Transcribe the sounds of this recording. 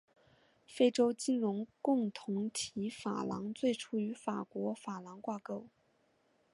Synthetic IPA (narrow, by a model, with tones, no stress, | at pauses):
fe˥ɪʈ͡ʂo˥ʊt͡ɕi˥˩nɻʊ˧˥ŋkʊ˥˩ŋt̪ʰʊ˧˥ŋt̪ʰi˧˥fa̰˨˩lɑ̰˧˥ŋt͡swe˥˩ɪʈ͡ʂʰu˥y˧˥fa˨˩kwɔ˧˥fa˨˩lɑ˧˥ŋkwa˥˧ko˥˩ʊ